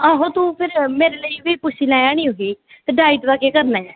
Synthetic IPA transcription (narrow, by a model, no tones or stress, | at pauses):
aːɦõːt̪ũːpʰɪɾmeːɾeːləiːʋiːpʊʃʰiːlãːjaːɽ̃ĩːɦoːiː | t̪eːɖaːɪʈʋaːkeːkəɾnaː